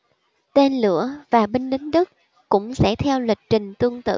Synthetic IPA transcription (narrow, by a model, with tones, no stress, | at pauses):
t̪e˧nlɨ̰˧˩əvaː˨˩ɓe˧ŋlï˨˦ŋ̟ɗɨ˦˥k̚ | kʊ̰˧˥ŋ͡msɛ̰˧˥t̪ʰɛ˧wlwi˨˩k̟̚t͡ɕï˨˩ŋ̟t̪ɨ˧əŋt̪ɨ̰˧˨